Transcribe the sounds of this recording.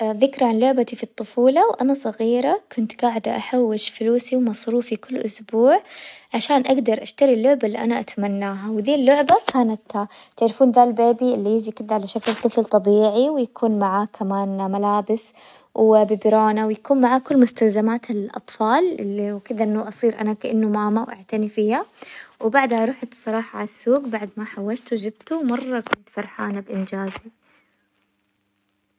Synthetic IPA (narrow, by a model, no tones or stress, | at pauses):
ðɪkɾˤɑʕanlʊʕbat̪ifit̪ˤːʊfuːlɑwʔa̰nasˤɑɣiːɾakʰʊnt̪ɡaːʕɪd̪aʔaħawːɪʃfluːsiwmɑsˤɾuːfikɪlːʔʊsbuːʕʕaʃaːnʔaɡd̪ɑɾˤʔaʃt̪aɾilːʊʕbaʔlːiʔanaʔat̪manːaːɦawðiːlːʊʕbakʰaːnat̪t̪ɪʕɾɪfuːnðalbeːbiʔɪlːijɪd͡ʒikɪd̪aʕalaʃaklt̪ˤɨflt̪ˤɑbiːʕiwjakʰuːnmaʕaːkʰamaːnmalaːbɪswbɪbɾɑːnawjakuːnmaʕaːkʊlːmʊst̪alzamaːt̪ɪlʔɑ̰t̪ˤfɑːlɪ̰lːiwkɪd̪aʔɪnːaʔɑsˤiːɾʔanakaʔɪnːumaːmawʔa̰ʕt̪anifiːhawbaʕd̪haɾˤuħat̪sˤːɑɾˤɑːħɑʕalasːuːɡbaʕd̪maħawːad͡ʒt̪ud͡ʒɪbt̪uwmɑrˤːɑkʊnt̪fɑɾˤħaːnabʔɪnd͡ʒaːzi